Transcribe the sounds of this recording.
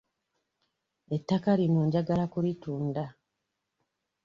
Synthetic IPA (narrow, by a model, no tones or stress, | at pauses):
etːakalimuɲɟaɡalakulituːnda